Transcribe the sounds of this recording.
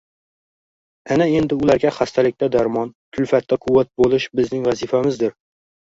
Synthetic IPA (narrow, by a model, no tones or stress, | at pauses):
ænɛend̪ɪulæɾɡʲɛχæst̪ʰɛlɪk̚ʲt̪ɛd̪æɾmɑnkʲʰylfɛt̪ʰːɛqʰuwːæt̪̚bolˠɨʃbɪznɪŋvɛzifɛmɪzd̪ɪɾ